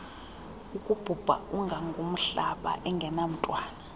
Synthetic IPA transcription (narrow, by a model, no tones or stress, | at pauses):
ukʼub̥ʱub̥ʱa̰uŋɡʱaŋɡʱum̩ɬaɓa̰ʔɛŋɡʱɛnam̩tʼwaːna